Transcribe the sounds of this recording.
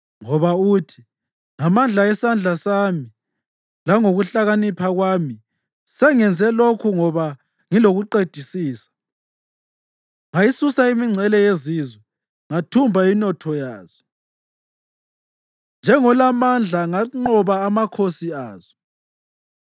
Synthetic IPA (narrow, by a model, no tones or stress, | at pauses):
ŋɔβautʰi̥ | ŋamand͡ɮʱaɛsand͡ɮʱasaːmi | laŋoɣuɬaɣanipʰaɣwami | sɛŋɛnd͡zʱɛlokʰuŋɔβa | ŋiloɣuǃed̥ʱisiːsḁ | ŋajisusaimiŋ͡ǀʱɛlɛjezizwɛ | ŋatʰumbʱainɔtʰɔjaːz̥ɔ | nd͡ʒʱɛŋɔlamand͡ɮʱaŋaŋ͡ǃɔβaːmakʰosiaːzɔ